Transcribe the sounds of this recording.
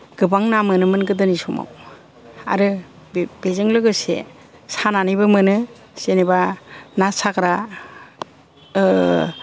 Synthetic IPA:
ɡ̥ɯbaŋnamɯnɯmɯnɡɯdɯnisɔma̰w | a̰ɾɯ | b̥ezɯŋlɯɡɯsḛ | sananɯjbɯmɯnɯ | senebanasakɾa

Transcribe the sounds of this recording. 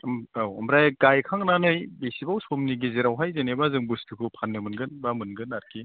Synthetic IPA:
awmɾajɡajkʰaŋnanɯjbesibawsomniɡizeɾawɦajzenebazɯŋbustʰɯkʰɯpʰanːɯmɯnɡɯnbamɯnɡɯnaɾki

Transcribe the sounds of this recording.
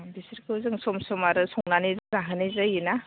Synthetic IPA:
bisɯɾkʰɯwzɯŋsɔmsɔmaɾɯsɔŋnanizɯzaɦɯnizɯjina

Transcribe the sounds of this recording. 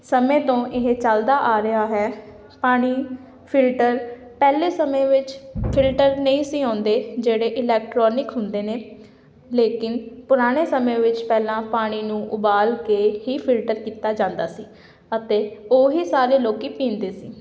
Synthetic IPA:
səmẽːt̪õːʔɪɦet͡ʃəld̪aːʔaːɾɪɦaːɦɛː | paːɽ̃iː | pʰɪlʈəɾ | pɛːleːsəmẽːʋɪt͡ʃpʰɪlʈəɾnəĩːsiːãːnd̪eːd͡ʒeːɽeːʔɪlɛːk̚ʈɾɔːnɪkɦʊnd̪eːneː | leːkɪnpʊɾaːɽ̃eːsəmẽːʋɪt͡ʃpɛːlãːpaːɽ̃iːnũːʔʊbaːlkeːɦiːpʰɪlʈəɾkiːt̪aːd͡ʒãːnd̪aːsiː | ət̪eːoːɦiːsaːɾeːloːkiːpĩːnd̪eːsiː

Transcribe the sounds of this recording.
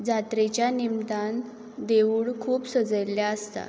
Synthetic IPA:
d͡zat̪ɾet͡ɕjanimd̪an | d̪euɭkʰuːpsəd͡zəjljaəst̪a̰

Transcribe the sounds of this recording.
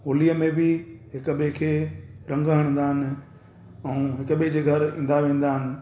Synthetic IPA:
ɦoːliːəmẽbɪɦɪkə̆ɓekʰeːɾɐ̃ŋɡəɦəɽ̃nd̪aːɦɪnɪ̆ | ɛ̃ũːɦɪkəɓed͡ʑeːɡʱɐɾḭ̃ːn̆d̪aʋẽːnd̪aːɦɪnɪ̆

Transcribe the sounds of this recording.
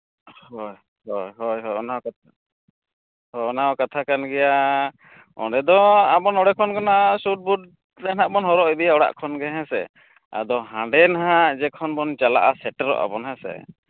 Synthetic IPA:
hɔj | hɔjɦɔjɦɔjɔnaa | hɔɔnakat̪ʰakanɡɛja | ɔ̰̃ɖɛd̪ɔabɔnɔɽɛkʰɔnkɔnasuʈ̚buɖ̚ | lɛnaʔbɔnɦɔɾɔʔibijaɔɽa̰ʔkʰɔnɡɛɦɛ̃sɛ̰ | a̰d̪ɔɦãɖɛnaɦɦãʔd͡ʒɛkʰɔnbɔnt͡ʃala̰ʔasɛʈəɾɔ̰ʔa̰bɔnɦãsɛ̰

